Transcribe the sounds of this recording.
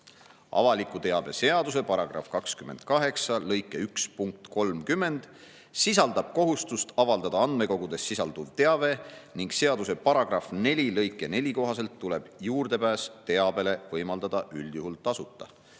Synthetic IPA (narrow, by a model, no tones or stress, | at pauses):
ɑ̰vɑlikːˑut̪e̞ɑb̥e̞se̞ɑd̪us̬e̞pɑɾɑɡ̥rɑ̰fkɑkskyme̞nd̪̥̚kɑɦe̞ksɑlɤjkːˑe̞ykspuŋk̚t̪ko̞lmkymːe̞nd̪̥ | sis̬ɑld̪ɑb̥̚ko̞ɦust̪ust̪ɑvɑld̪ɑd̪̥ɑɑnd̪me̞ko̞ɡ̥ud̪̥e̞sːisɑld̪uvt̪e̞ɑve̞niŋɡ̥se̞ɑd̪use̞pɑɾɑɡ̥rɑfne̞lʲilɤjkːˑe̞ne̞lʲiko̞ɦɑse̞lt̪ːule̞b̥juːrd̪e̞pæːst̪e̞ɑb̥e̞le̞vɤjmɑld̪ɑd̪̥ɑʔylʲd̪juɦult̪ɑsut̪ːˑɑ̰